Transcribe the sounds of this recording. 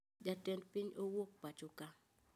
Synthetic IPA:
d͡ʒatɛndpiɲowok̚pat͡ʃʊka

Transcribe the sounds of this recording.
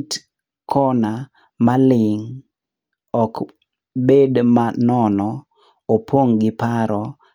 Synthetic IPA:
t | kʰɔna | malɪŋ | ɔk | bedmanɔnɔ | opʰoŋɡɪpaɾɔ

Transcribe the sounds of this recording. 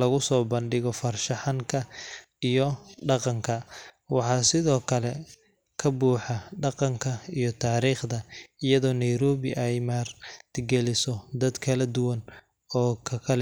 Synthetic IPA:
lɐɣʊsɔːbɐnɖɪɣɔfɐrʃɐħɑŋkʰɐ | ijɔɖɑqɑŋkʰɐ | wɑħɑːsɪðɔːkʰɐlɛ | kʰɐbuːħɑɖɑqɑŋkʰɐijɔt̪ʰaːɾiːχd̪ɐɪjɐðɔːnɐjɾɔːβɪʔɛjmaːrt̪ʰɪɡɛlɪsɔd̪ɐd̪kʰɐlɐd̪ʊwɐn | ɔːkʰɐkʰɐl

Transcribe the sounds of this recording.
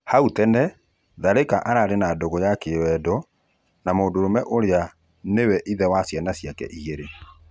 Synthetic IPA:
hautɛnɛ | ðaɾekaʔaɾaɾenadoɣɔjakewɛdɔ | namoːndoɾomɛʔoɾea | newɛʔiðɛwasjanasjakɛ̰ʔiɣeɾe

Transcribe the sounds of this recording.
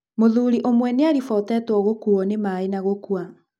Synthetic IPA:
moðuɾiʔomwɛneaɾifɔtɛtwɔɣokuɔnemaenaɣokua

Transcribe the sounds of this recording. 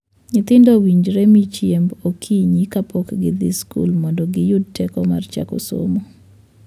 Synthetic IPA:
nɪt̪ɪndowiɲd͡ʒɾɛmit͡ʃjembokʰiɲikapʰokɡɪd̪iskṵlmɔndɔɡɪjʊd̚tʰɛkɔma̰rt͡ʃa̰ko̰so̰mo

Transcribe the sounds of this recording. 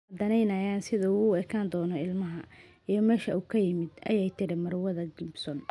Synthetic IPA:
ɐd̪ɐnɛjnɐjaːnsɪðɐuːɛkʰaːnd̪ɔːnɔɪlmɐɦɐ | ijɞmɛːʃɐuːkʰɐjɪmɪd̪ʔɐ̰jɛjt̪ʰɪɾɪmɐrwɐðɐɡɪbsɔn

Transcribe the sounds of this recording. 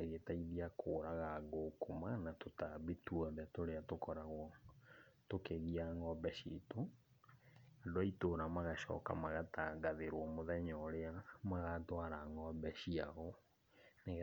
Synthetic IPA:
ɣetaiðiakʰoɾaɣaɣokomanatotaβituɔðɛtoɾeatokɔɾaɣwɔ | tokeɣiaŋɔbɛʃito | adoaitoɾamaɣaɕɔ̰ːka̰maɣataɡaðeɾwɔmoðɛɲɔɾeamaɣatwaɾaŋɔbɛʃia̰ɣɔ | neɣ

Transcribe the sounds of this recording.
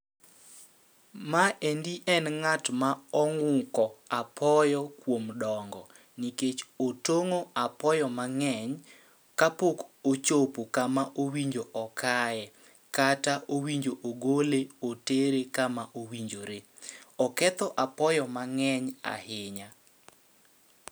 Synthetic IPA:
maʔendiʔɛnŋatmaɔŋʊkɔapʰɔjɔkwomdɔŋɡɔ | niket͡ʃotoŋoapɔjɔmaŋɛɲ | kapokot͡ʃopokamaʔowiɲd͡ʒoʔɔkajɛ | kataʔowiɲd͡ʒoʔoɡoleoteɾekamaʔowiɲd͡ʒoɾe | ɔkɛt̪ɔʔapɔjɔmaŋɛɲa̰hɪɲa

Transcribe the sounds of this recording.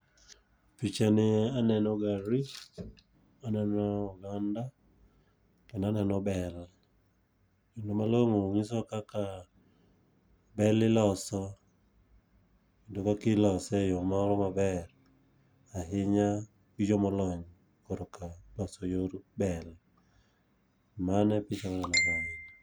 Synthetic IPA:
pit͡ʃanɪanɛnɔɡaɾi | anɛnɔːɡanda | kɛnanɛnɔbɛl | kindomaloŋoŋɪsɔkaka | bɛlɪlɔsɔ | idukakilɔsɛjɔmaɾɔmabɛɾ | aɦɪɲa | kid͡ʒɔmɔlɔɲ | koɾokalɔsɔjoɾubɛl | manɛpɪt͡ʃɔlanɛnɔɾain

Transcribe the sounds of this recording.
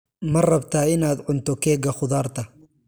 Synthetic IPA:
mɐrɐbt̪ʰaːɪnaːd̪ʕʊnt̪ɔkɛːɡɐxʊðaːrt̪ʰɐ

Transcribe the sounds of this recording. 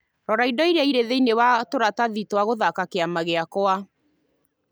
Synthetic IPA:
ɾɔɾaidɔiɾaiɾeðeinewatoɾataðitwaɣoðakakeamaɣeakoa

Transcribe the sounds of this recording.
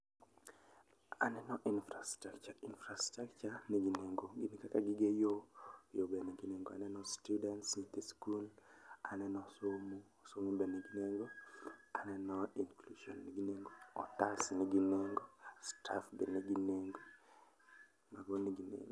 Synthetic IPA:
anɛnɔʔinfɾastakt͡ʃainfɾastakt͡ʃaniɡineŋɡoɡinikakaɡiɡejojobeneɡineŋɡo̰a̰nɛnɔstudɛntsint̪iskula̰nɛnɔsomusomibeneɡineŋɡoanɛnɔiŋkluʃɔ̰nːiɡineŋɡoɔ̰tasniɡineŋɡosta̰fbeneɡineŋɡo | maɡoniɡinḛŋɡo

